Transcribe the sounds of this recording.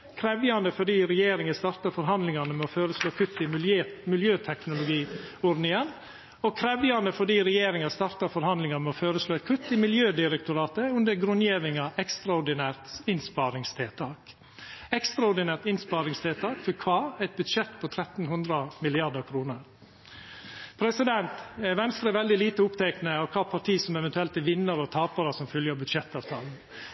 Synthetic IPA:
kʰɾɛʋjɑnd̪əfɔɖiːɾɛjeːɾɪŋəst̪ɑɾt̪ɑfɔɾɦɑnd̪lɪŋɑnəmɛɔføːɾəsloːkʰʉt̪ːɪmɪlømɪljøːt̪ʰɛknʊlʊɡiːɔɾd̪nɪŋən | ɔkʰɾɛʋjɑnəfɔɖiːɾɛjeːɾɪŋɑst̪ɑɾt̪ɑfɔɾhɑnd̪lɪŋɑmɛɔføːɾəsloːɛt̪kʰʉt̪ːɪmɪljøːd̪ɪɾɛkt̪ʊɾɑːt̪əʉnd̪əɾɡɾʉnjeːʋɪŋɑʔɛkst̪ɾɑʊɖɪnæːɾt̪ɪnspɑɾɪŋst̪ʰɛːlt̪ʰɑːk | ɛkst̪ɾɑʊɖɪnæːɾt̪ɪnspɑːɾɪŋst̪ʰeːlt̪ʰɑːkfɔɾkʰʋɑːɾɛɪt̪̚bʉd̪ʃɛt̪pʰɔt̪ʰɾɛt̪n̩hʉnd̪ɾəmɪlɪɑɖəɾkʰɾuːnəɾ | pʰɾɛsɪd̪ɛnt̪ʋɛnst̪ɾəʋɛld̪ɪliːt̪əʊpt̪ʰɛknəɑʋkʰɑːpʰɑʈ̪ʰiːsɔmɛʋɛnt̪ʉɛlt̪əʋɪnːəɾɔt̪ʰɑːpəɾɑsɔmfœljəɾbʉd̪ʃɛt̪ːɑːʋt̪ʰɑ̰ːln̩

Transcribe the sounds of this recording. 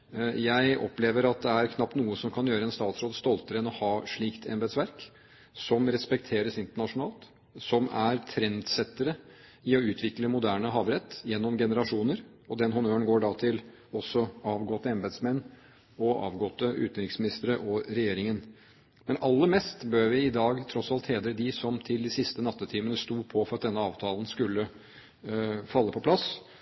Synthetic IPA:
jæɪɔ̰pleːʋəɾɑt̪̚d̪ɛæɾkʰnɑp̚t̪nuːəsɔmkʰɑnjøːɾəɛnst̪ɑːt̪sɾoːd̪st̪ɔlt̪əɾəɛnɔhɑːʂɭiːkt̪ʰɛ̰mbɛd̪sʋæɾk | sɔmɾɛspɛkt̪ʰeːɾəsɪnt̪əɳɑʂʊnɑːlt̪ | sɔmæɾt̪ʰɾɛnd̪sɛt̪ːəɾəɪɔʉːt̪ʰʋɪkləmʊd̪æːɳəɦɑːʋɾɛt̪ːjɛnːɔmɡɛnəɾɑʂuːnəɾ | ɔd̪ɛnɦʊnøːəɳɡoːɖɑːt̪ʰɪl | ɔsːɔɑːʋɡɔt̪ːəɛmbɛːd̪smɛnː | ɔʔɑ̰ːʋɡɔt̪ːəʔʉ̰ːt̪nɾɪksmɪnɪst̪əɾəʔɔɾɛjeːɾɪŋən | mɛnɑlːəɾmɛst̪bøːɾʋɪɪd̪ɑːɡt̪ʰɾɔsɑlt̪heːd̪ɾəd̪ɪsɔmt̪ʰɪld̪ɪsɪst̪ənɑt̪ːət̪ʰiːmənəst̪uːpʰɔfɔɾɑt̪̚d̪ɛnːəɑːʋt̪ʰɑːlnskʉlːə | fɑlːəpʰɔpʰlɑs

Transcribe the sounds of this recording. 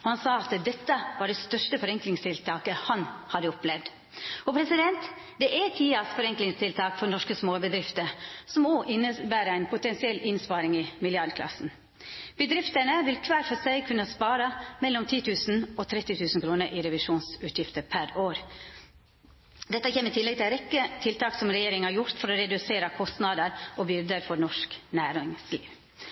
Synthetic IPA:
ɔhɑnsɑːɑt̪d̪ɛt̪ːəʋɑɖɛst̪œʂtəfɔɾɛŋklɪŋst̪ʰɪlt̪ʰɑːkəhɑnhɑd̪əɔplɛʋd̪ | ɔpʰɾɛsɪd̪ɛnt̪ | d̪ɛʔæt̪ʰiːɑsfɔɾɛŋklɪŋst̪ʰɪlt̪ʰɑːkfɔnɔʂkəsmoːbəd̪ɾɪft̪əɾsɔmoːʔɪnːəbæːɾəæɪnpʰʊt̪ɛnsɪɛlɪnspɑːɾɪŋɪmɪljɑɾɖd̪kʰlɑ̰sn̩ | b̥əd̪ɾɪft̪əɳəʋɪlkʰʋæːɾfɔsæɪkʰʉnːəspɑːɾɑmɛlːɔmt̪ʰiːt̪ʰʉːsn̩ɔt̪ʰɾɛt̪ːɪt̪ʰʉːsn̩kʰɾuːnəɾʔiːɾɛʋɪʂuːnsʉːt̪ʰjɪft̪əpʰæɾoːɾ | d̪ɛt̪ːəçeːmət̪ʰɪlːɛɡ̚t̪ʰɪlɾɛkːət̪ʰɪlt̪ʰɑːksɔmɾɛjeːɾɪŋəhɑɾjʊɾt̪fɔɾɔɾɛd̪ʉseːɾɑkʰɔst̪nɑd̪əɾʔoːbʏɾd̪əɾfɔɾnɔʂknæːɾɪŋslḭːʋ

